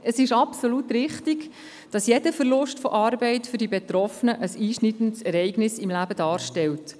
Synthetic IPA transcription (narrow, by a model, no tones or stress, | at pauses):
əsɪʃɑpsolutɾɪχtiɡ | d̥ɑsjɛd̥əfərlʊʃtfɔʔɑːɾbɛɪtfʏɾdibɛt̪ɾɔfənəʔəsiːʃnidən̩tsɛɾɛɪɡnɪsɪmlæbəd̥ɑːɾʃtɛlt